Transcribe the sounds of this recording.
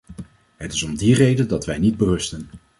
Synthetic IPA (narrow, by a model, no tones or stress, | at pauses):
ɦətɪsɔmdirejdəndɑtʋɛjnid̚bərɵstən